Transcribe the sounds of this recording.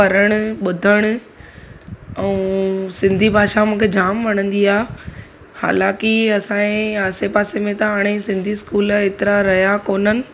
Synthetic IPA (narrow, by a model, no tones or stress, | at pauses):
pɐɾəɽ̃ʊ̆ɓʊd̪ʱəɽ̃ʊ̆ | ɛ̃ːsɪ̃nd̪ʱibʱaːʃamũːkʰed͡ʑaːmʋɐɽ̃ə̃nd̪iaː | ha̰ːlãːkiɐsãẽaːsepaːsemẽt̪ɐaːɽ̃esɪ̃nd̪ʱiskuːleːt̪ɪɾaɾɐɦijakoːnənɪ̆